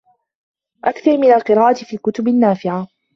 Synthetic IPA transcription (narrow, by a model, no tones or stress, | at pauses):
ʔakθɑɾˤmɪnalqɨɾaːʔat̪ɪfiːlkʊt̪ʊbanːaːfɪʕa